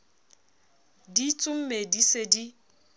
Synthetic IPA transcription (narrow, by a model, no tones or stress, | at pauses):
dit͡sʼʊm̩medisedi